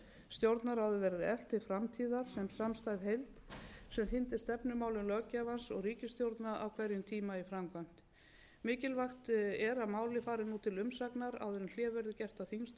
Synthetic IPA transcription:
st̪jowɾt̪naɾ̥havðʏvɛɾðɪɛl̥t̪ɪfɾamt̪ʰiːðaɾ̥sɛmsamst̪ajðhejlt̪sɛmθɪnt̪ɪst̪ɛpnʏmaːwlʏlœːcavansɔ̰ɣriːcɪst̪jowɾt̪naʔawkʰvɛɾjʏmt̪ʰiːmaifɾamkʰvam̥t̪ | mɪːcɪlvaxt̪ɛɾamaːwlɪfaːɾɪnuːt̪ʰɪlʏmsaknaɾa̰wðɛɾɪml̥jɛːvɛɾðʏcɛr̥t̪awθiŋst̪

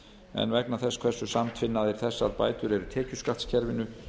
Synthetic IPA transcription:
ɛ̰nvɛknaθɛskʰv̥ɛr̥sːʏsamt̪ʰfɪnːaðɪɾ̥θɛsːa̰ðpa̰ːjt̪ʏɾɛɾʏt̪ʰɛːcʏskat̪scʰɛɾvɪnʏ

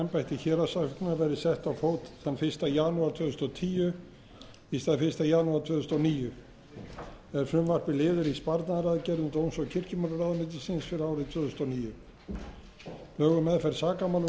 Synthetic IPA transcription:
ɛmpajht̪ɪçɛːɾasafknavɛɾðɪsɛht̪awfoːwt̪θanfɪr̥st̪ajanuaɾt̪ʰvœːðʏst̪ɔt̪ʰiːjʏ | ist̪aðfɪst̪ajanuaɾ̥t̪ʰvœːðʏst̪ɔniːjʏ | ɛɾfɾʏmvar̥pɪlɪːðʏɾispaɾt̪naðɾaðcɛɾðʏmt̪ownsɔɣcʰɪr̥cɪmœɾaɾaːðmɪt̪̬ɪ̥sɪnsfɪɾaːwɾɪt̪ʰvœːðʏst̪ɔwniːjʏ | pœːɣʏmɛðfɛɾsaːkamaːl

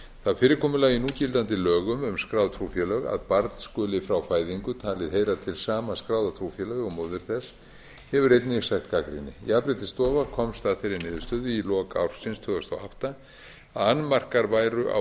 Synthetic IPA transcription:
θaðfɪːɾɪɾkʰɔːmʏlaːjɪnucɪlt̪ant̪ɪlœːɣʏmʏmskɾawðt̪ʰɾufjɛlœɣa̰ðpaɾt̪n̥skœːlɪfɾawfaːjðiŋkʏt̪ʰaːlɪðɦejɾat̪ʰɪlsaːmaskɾaːwðat̪ʰɾuwfjɛlœɣɔmowðʏɾ̥θɛs | hɛvʏɾejt̪nɪɣsajht̪kakɾḭnːɪ̰japɾɪt̪ɪst̪ɔːvakʰɔmst̪aðfɪɾɪɾnɪːðʏ̥st̪œːðʏilɔːkaa̰wɾ̥sɪnst̪ʰœːɣast̪awa̰wht̪a | anːmar̥kaɾvaːjɾʏʔa̰

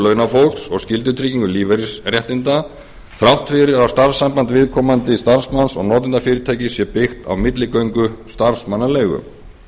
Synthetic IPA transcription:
lœnafowl̥ksɔɣscɪlt̪̬ʏt̪ʰɾiciŋkʏliːvɛɾɪsrjɛht̪ɪnt̪a | θɾawht̪fɪɾɪɾawst̪aɾsːampant̪vɪðkʰɔːmant̪ɪst̪aɾsmansɔɣnɔːt̪̬ɪnt̪afɪːɾɪt̪ʰaːjcɪsjɛpɪxt̪a̰wmɪt̪lɪkœɥŋkʏst̪aɾsmanːaleːjɣʏ̰m

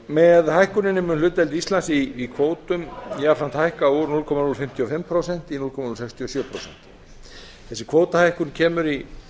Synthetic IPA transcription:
mɛðhajhkʏnɪnːɪmʏnlʏːt̪ɛlt̪ist̪lansiikʰvoːwt̪ʏmjafɾan̥t̪hajhkauɾnulkʰɔmanulfɪm̥t̪ʰjiɔfɪmpʰɾowsɛn̥t̪inulkʰɔmanulsɛkst̪ʰjiɔsjœːpʰɾowsɛn̥t̪ | θɛsːɪkʰvoːwt̪ahajhkʏncʰɛːmʏɾi

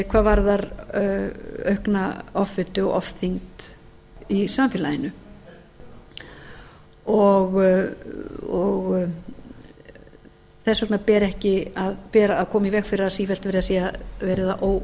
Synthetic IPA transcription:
kʰvaːðvaɾðaɾ | œɥhknaɔfvɪt̪ʏɔ̰ɣɔ̰fθiŋt̪ | isamfɪːlajɪnʏ | ɔɣ | ɔɣ | θɛsːœhknapɛːɾɛhcɪaðpɛːɾaːðkʰɔːmaivɛkfɪɾɪɾaðsiːfɛlt̪vɛːɾɪðasiːavɛːɾɪðaʔoːw

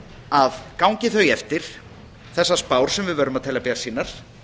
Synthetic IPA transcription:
aðkawŋcɪθœɥjɛft̪ɪɾ̥ | θɛsːaspaːwɾ̥sɛmvɪðvœːɾʏmaðt̪ʰɛːlapɛːɾasiːnaɾ̥

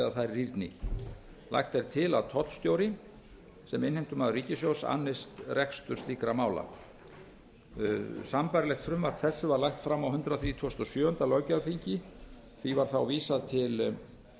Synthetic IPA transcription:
aθajɾriɾt̪nɪ | lʔa̰jxt̪ɛɾ̥t̪ʰɪlaðt̪ʰɔt̪st̪jowɾɪ | sɛmɪnhejm̥t̪ʏmaðʏriːcɪsjow̪sa̰nːɪst̪rɛkst̪ʏɾ̥st̪iːkɾamaːwla̰ | sampaɾlɛxt̪fɾʏmvaɾ̥t̪θɛsːʏvaɾlajxt̪fɾamːawhʏnt̪ɾaθɾiːt̪ʰost̪ɔsjœːʏnt̪alɔɥcafiɲcɪ | θivaɾ̥θawviːsaðt̪ʰɪl

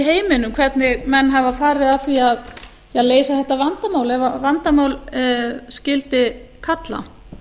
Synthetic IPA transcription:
ɦeːjmɪnʏmkʰv̥ɛt̪nɪɣmɛnːɦavafaːɾɪðaθviað | jɛðleːjsaθɛht̪ːavant̪amaːwlɛvavant̪amaːwl | scɪlt̪ɪkʰat̪la̰

